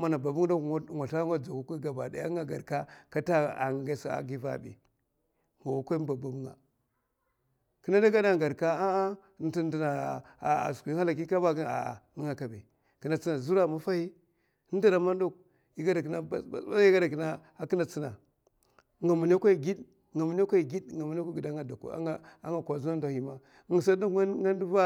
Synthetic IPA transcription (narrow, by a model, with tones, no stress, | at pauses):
ma˦na˨ba˨bu˦ŋ˦a˦kŋʷa˨ɬa˦ŋa˦d͡za˨ku˦ka˦ɡa˨ba˨da̰˨ja̰˦ŋɡa˨ɡa̰˨ɾka˦ka˦ta˦a̰˨ŋa˨ɡa˦˨sa̰˨ɡi˦va̰˨bḭ˨ | ŋo˨wa˨kʷa˦ba˨ba˨bu˦ŋa̰˨ | ki˦na˦da˦ɡa˦da˦˨ɡa˨ɾka˦a˦ | n˦ti˦n˦di˨na˨ | a̰˨su˨˦ha˦la˨ki˦ka˦ba˦a̰˨i˦ŋa˨ka˨be˨ | ki˨na˨t͡si˦na˨zu˦ɾa˦˨ma˦fa˦hi˦ | n˦da˦ɾa˨ma˦ndu˦k̚ | i˨ɡa˦da˨ki˨na˦ba˨a̰˨˦a̰˦ɡa˦da˨ki˨na˦ | a˨ki˦na˨t͡si˦na̰˨ | ŋa˨mu˨n˦a˦kʷa˦˨ɡi˦d | ŋa˨mu˨n˦a˦ka˦˨ɡi˦dŋa˨mu˨n˦a˦a˦i˨da˦a˨da˨kṵ˨a̰˦a̰˦ŋa˨kʷa˨zu˦a˦n˦da˨hi˨ma˦ | ŋ˨sa˦du˦kŋa˦n˦du˦va˦